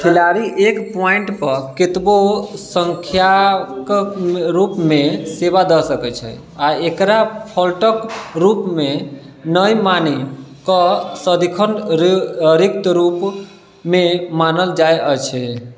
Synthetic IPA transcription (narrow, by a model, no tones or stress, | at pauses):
pʰilaɾiʔekpɔiɳʈpəɾkit̪bosəŋkʰjakɾupmeseβad̪əsəkɛt͡ʃʰɛ̰ | aekɾapʰɔlʈəkɾupme | nəjmanikəsəd̪ʱikʰənɾɾik̚t̪ɾup | memanəld͡ʒaeət͡ʃʰɛ